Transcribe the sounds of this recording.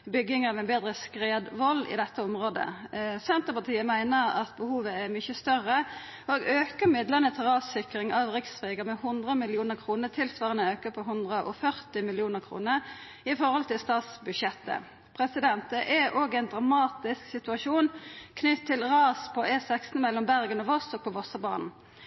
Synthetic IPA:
bʏɡːɪŋɑʋɛnbeːd̪ʁəskʁeːd̪ʋɔlːɪ̰d̪ɛt̪ːəɔmʁoːd̪ə̰sɛnt̪əpɑt̪ʰiːəmæɪnəɾɑ̰t̪bəhuːʋəɛʁmʏçəst̪œʁə | oɡøːkəmɪd̪ləʁnət̪ʰɪlʁɑːsɪkʁɪŋɑʋʁɪksfɾeːɡəmɛhʊnd̪ʁəmɪljuːnəʁkʰʁuːnət̪ʰɪlsʋɑːʁənəøːkəpʰɔɦʊnd̪ʁəʔɔ̰fœʁt̪ɪmɪljuːnəʁkʰʁṵːnəʁ | ɪfɔʁhɔlt̪ʰɪlst̪ɑːt̪sbʉʃɛt̪ːə̰ | pʰʁɛsɪd̪ɛnt̪əʔɛoːɡɛɪnd̪ʁɑmɑːt̪ɪsksɪt̪ʉɑʂuːnkʰnʏt̪ʰːɪlʁɑːspʰɔʔɛːsɛksnmɛlɔmbæʁɡənɔʋɔst̪ɔk̚pʰɔʋɔsəbɑ̰ːnn̩

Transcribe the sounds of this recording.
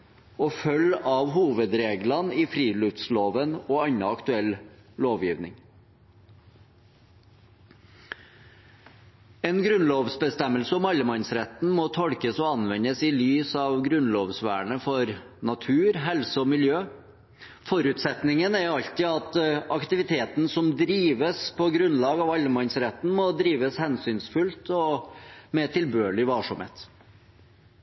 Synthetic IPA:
ɔfœlɑʋhuːʋəd̪ɾeːɡlɑnɪfɾiːlʉft̪sloːʋənɔːɑnɑɑkt̪ʉɛlloːʋjiːʋnɪ̰ŋ | ɛːnɡɾʉnloːʋsbəst̪ɛmːəlsəɔmɑləmɑnsɾɛt̪nmɔːt̪ʰɔɽkəsɔɑnʋɛnəsɪlyːsɑʋɡɾʉnloːʋsʋæ̰ːɳəfɔɾ | nɑt̪ʰʉːɾɦɛlsəɔmɪljøː | fɔɾʉːt̪sɛt̪nɪŋənæɾɑʎt̪ɪɑt̪ɑkt̪ɪʋɪt̪ʰeːt̪n̩sɔmd̪ɾiːʋəspʰɔɡɾʉnlɑːɡɑːʋɑlːəmɑnsɾɛt̪n̩mɔd̪ɾiːʋəshɛnsyːnsfʉlt̪ʰɔmɛt̪ʰɪlbøːɭɪʋɑːʂɔmhḛːt̪

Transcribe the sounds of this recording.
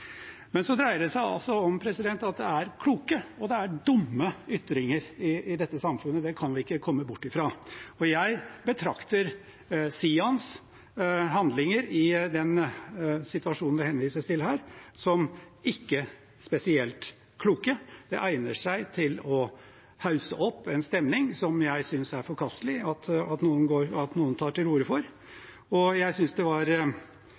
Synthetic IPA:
mɛnsɔd̪ɾæɪəɖɛsæɪɑ̰lsɔɔmpʰɾɛsɪd̪ɛnt̪ɑt̪̚d̪ɛæɾkʰluːkəɔd̪ɛæɖʊmːəʏt̪ːɾɪŋəɾɪɪd̪ɛt̪ːəsɑmfʉnːəd̪ɛkʰɑnʋɪɪkːəkʰɔmːəbʊʈːɪfɾɑːɔjæɪbət̪ʰɾɑkt̪əɾ | siːɑns | ɦɑnd̪lɪŋəɾɪd̪ɛn | sɪt̪ʉʋɑʂuːnnʋɪhɛnʋiːsəst̪ɪlhæːɾsɔm | ɪkːə | spɛsɪɛlt̪ | kʰluːkəd̪̥ɛʔæɪnəʂæɪt̪ʰɪlɔ | hɑʉsə̰ʔɔpːɛnst̪ɛmnɪŋsɔmjæɪsʏnsæɾfɔɾkʰɑst̪lɪɑt̪ɑt̪nuːənɡoːɾɑt̪nuːənt̪ʰɑːʈɪlɾuːɾəfɔɾ | ɔjæɪsʏnsd̪ɛʋɑɾ

